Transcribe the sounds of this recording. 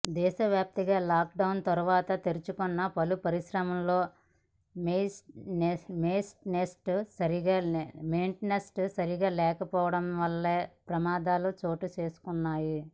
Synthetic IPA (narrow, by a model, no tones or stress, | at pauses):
d̪ɛːʃɐʋjaːp̚t̪iɡaːlaːk̚ɖɐwnt̪ɐɾuʋaːt̪ɐt̪eɾit͡ʃukunːɐpɐlupɐɾiʃɾɐmɐmlo̞ː | mesʈnemeːsʈnesʈsɐɾiɡaːmejɳʈnesʈsɐɾiɡaːlɛːkɐpɔːʋɐɽɐmʋɐlːeːpɾɐmaːd̪aːlut͡ʃo̞ːʈut͡ʃe̞ːsu̥kunːaːji